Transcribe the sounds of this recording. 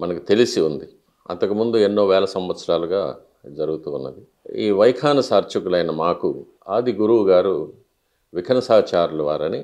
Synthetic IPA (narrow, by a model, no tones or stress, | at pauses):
mɐnɐkit̪e̞lisiund̪i | ɐ̰nt̪ɐkumund̪ue̞nːoːʋɛːlɐsɐmʋɐt̪sɐɾaːluɡaː | d͡ʒɐɾuɡut̪uːnːɐ̰d̪i | iːʋɐjkʰaːnɐsaːɾt͡ʃukulɐjnɐmaːku | aːd̪iɡuɾuwuɡaːɾu | ʋikʰɐnɐsaːt͡ʃaːɾuluʋa̰ːɾɐni